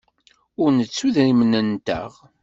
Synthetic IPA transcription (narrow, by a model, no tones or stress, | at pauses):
ʊɾnət͡sːuðɾimənənt̪ə̰ʁ